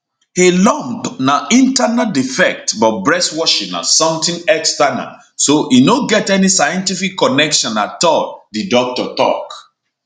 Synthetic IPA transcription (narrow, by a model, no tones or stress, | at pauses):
helɔ̃mpnaĩntanadifɛk̚tbɔt̚bɹɛswɔʃĩna̰sɔ̃mt̪ĩŋɛkstana̰ | soinoɡɛtɛnisajɛ̃ntifikːɔnɛkʃɔ̃natɔt̚didɔk̚tɔtɔ̰k